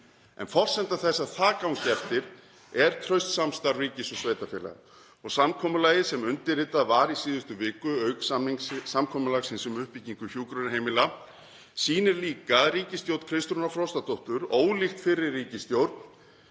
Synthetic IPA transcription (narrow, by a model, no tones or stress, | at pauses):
ɛ̰nfɔr̥sɛnt̪aθɛsːaθʰaːkawŋcɛft̪ɪɾ | ɛɾ̥t̪ʰɾœɥst̪samst̪aɾviːcɪsʏsveːjt̪afɛːla̰ɣ | ɔɣsamkʰɔːmʏlaːjɪsɛmʏnt̪ɪɾrɪːt̪aðvaɾisiːðʏst̪ʏvɪːkʏœɥksamniŋssamkʰɔːmʏlaɣsɪnsʏmʏhpiciŋkʏçjuːkɾʏnɦejmɪla | siːnɪɾliːkariːcɪst̪jowt̪kʰɾɪst̪ɾunafɾɔwst̪at̪ʰɔwht̪ʏɾoːwlɪxt̪fɪɾːɪɾːiːcɪst̪jowɾt̪n̥